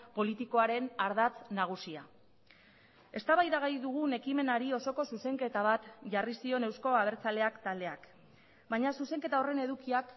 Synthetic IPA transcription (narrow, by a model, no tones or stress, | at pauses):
po̞lit̪iko̞aɾe̞naɾð̞at͡snaɣ̞usia | e̞st̪aβajðaɣajðuɣ̞une̞kime̞naɾio̞so̞ko̞suse̞ŋke̞t̪aβat̪ʝarisio̞ne̞wsko̞aβ̞e̞ɾt͡sale̞akt̪ald̪e̞ak | baɲasuse̞ŋke̞t̪ao̞re̞ne̞ðukiak